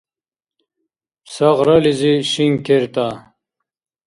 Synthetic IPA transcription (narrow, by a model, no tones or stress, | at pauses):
sɐʁɾɐliziɕiŋkʰeɾt̪a